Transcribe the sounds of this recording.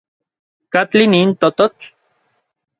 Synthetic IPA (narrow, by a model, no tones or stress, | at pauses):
kat͡ɬiniːnt̪ot̪ot͡ɬ